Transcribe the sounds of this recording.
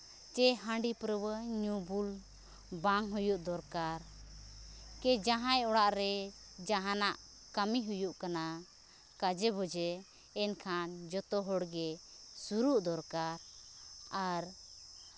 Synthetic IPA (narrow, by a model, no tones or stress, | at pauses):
t͡ʃɛɦãɳɖipɾəwəɲubul | baŋɦujuʔd̪ɔɾkaɾ | kɛd͡ʒaɦãjɔɽaʔɾɛ | d͡ʒaɦanaʔ | kamiɦujuʔkana | kad͡ʒɛbɔd͡ʒɛː | nkʰand͡ʒɔt̪ɔɦɔɽɡɛ | suɾuʔd̪ɔɾkaɾ | aɾ